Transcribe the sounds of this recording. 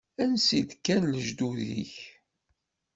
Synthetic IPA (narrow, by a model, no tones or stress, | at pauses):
ænsid̪kːænləʒd̪uðḭç